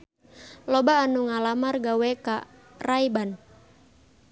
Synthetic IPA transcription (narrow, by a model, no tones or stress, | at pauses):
lɔbaːnuŋalamarɡawɛka̰ | raiban